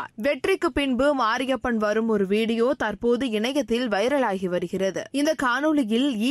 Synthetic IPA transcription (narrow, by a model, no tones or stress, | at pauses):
ʋɛʈːrɪkːɯpɪɳbɯmaːɾɪjɐpːɐɳʋɐɾɯmɔɾɯʋiːɽɪjoːt̪ɐrpoːðɯɪɳɐjɐt̪ːɪlʋɐjɐɾɐɭaːɣiʋɐɾɯɣɪrɐðɯ̰ɪnd̪ɐkaːnɯlɪjɪliː